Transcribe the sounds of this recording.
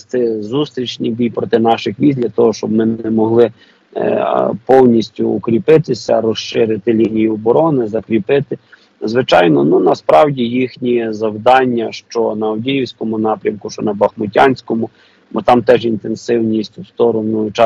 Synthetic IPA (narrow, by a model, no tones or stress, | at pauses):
st̪ɪzust̪ɾʲit͡ʃnʲibʲijpɾɔt̪ɪnɑʃɪxʋʲizʲd̪ʲlʲɐt̪ɔɦɔʃt͡ʃɔb̚mɪɛmɔɦlˠɪ | pɔwnʲisʲtʲʊːkɾʲipɪt̪ɪsʲɐ̰ɾɔʃʃɪɾɪt̪ɪlʲinʲijiɔbɔɾɔnɪzɐkɾʲipɪt̪ɪ | zʋɪt͡ʃɑjnɔnunɐspɾɑwdʲijixnʲizɐwd̪ɑnʲːɐʃt͡ʃɔnɐɔdʲijiwsʲkɔmʊnɑpɾʲɐmkʊʃt͡ʃɔnɐbɐxmʊtʲɑnʲsʲkɔmʊ | bɔt̪ɑmt̪ɛʒint̪ensɪwnʲisʲtʲst̪ɔɾɔnʊjʊt͡ʃɑ